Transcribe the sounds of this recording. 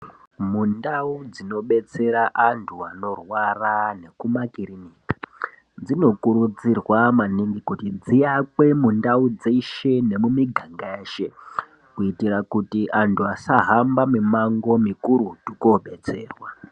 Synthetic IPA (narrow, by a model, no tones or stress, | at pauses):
mundaud͡zino̞ɓe̞t͡se̞ɾaʔantʰuano̞rwarane̞kumakiɾiniːkḁ | d͡zino̞kuɾud͡zirwamaniŋɡikutid͡zijakwe̞mundaud͡zeiʃe̞ne̞mumiɡʱaŋɡeeːʃe | kuitirakutiʔantʰuasaɦambamimaŋɡo̞mikuɾutukoɓe̞t͡se̞̰ːrwa